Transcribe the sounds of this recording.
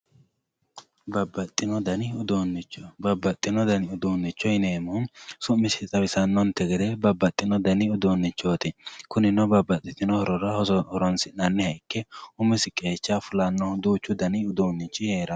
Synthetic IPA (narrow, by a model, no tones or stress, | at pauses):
bɐbːɐt̪ʼːɪnɔd̪ɐnɪʊd̪oːnːɪt͡ʃːɔbɐbːɐt̪ʼːɪnɔd̪ɐnɪʊd̪oːnːɪt͡ʃːɔjneːmʊnsʊmːɪsɪt̪ʼɐbɪsɐnːɔnt̪ɛɡɛd̪ebɐbːɐt̪ʼːɪnɔd̪ɐnɪʊd̪oːnːɪt͡ʃːoːt̪ɪkʊnɪnɔbɐbɐt̪ʼːɪt̪ɪnɔhɔɾɔɾɐhɔhɔɾɔnsɪnɐnːɪhɐjkːɛʊmɪsɪkʼːeːt͡ʃːɐfʊlɐnːɔd̪uːt͡ʃːʊd̪ɐnɪʊd̪oːnːɪt͡ʃːɪheːɾɐ